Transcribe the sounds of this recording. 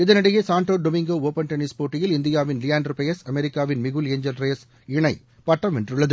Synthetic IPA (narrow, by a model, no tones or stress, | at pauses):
ɪðɐnɐɽɐjesaːɳʈoːɖɔmɪŋɡoːoːpːɐnʈɐnispoːʈːɪjɪlɪnd̪ɪjaːʋɪnlɪjaːnɖɾpɐjɐsɐmɛɾɪkːaːʋɪnmɪɣɯleːɲd͡ʒɐlɾeːs | ɪɳɐɪ | pɐʈːɐmɛndrɯɭːɐðɯ